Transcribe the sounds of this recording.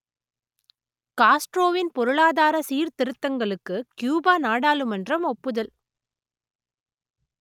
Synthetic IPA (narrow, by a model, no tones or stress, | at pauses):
kaːsʈɾoːʋɪnpɔɾɯɭaːðaːɾɐsiːɾt̪ɪɾɯt̪ːɐŋɡɐɭɯkːɯkjuːbaːnaːɽaːlɯmɐndrɐmɔpːɯðɐl